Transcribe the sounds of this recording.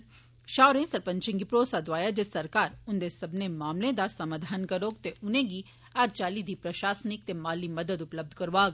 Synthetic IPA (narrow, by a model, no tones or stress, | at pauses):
ʃaːʊɾẽsɐɾpɐ̃ɲt͡ʃɪ̃ŋɡipɾoːsad̪ʋaːjad͡ʒesɐɾkaːɾʊnd̪esɐbnemaːmlẽd̪asɐmaːd̪ʱaːnkɐɾoːɡ̚t̪eʔʊnẽɡi | aɾt͡ʃaːlid̪ʱipɾɐʃaːsnɪk̚t̪emaːlimɐd̪əd̪ʊpləb̚d̪ʱkɐɾʋaːɡ